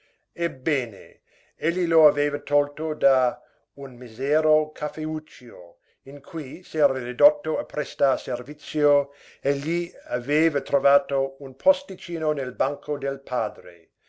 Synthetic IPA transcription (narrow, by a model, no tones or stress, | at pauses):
ebːeːnḛ | eʎːiloaveːvat̪ʰɔlt̪od̪a | unmizɛːɾokʰafeut͡ʃːio̰ | iŋkʰujsɛːɾarid̪ot̪ːoapɾest̪aservit̪sjo | eʎːiaveːvat̪ɾovaːt̪ounpʰost̪it͡ʃiːnonelbaŋkʰod̪elpʰaːd̪ɾḛ